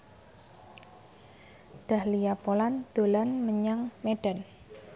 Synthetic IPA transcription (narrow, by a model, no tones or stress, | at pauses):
d̪̥a̤hliapoland̪̥o̤lanməɲaŋmeɖ̥a̤n